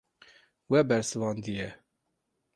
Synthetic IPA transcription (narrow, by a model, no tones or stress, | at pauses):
wɛbɛɾsɨvɑːnd̪ijɛ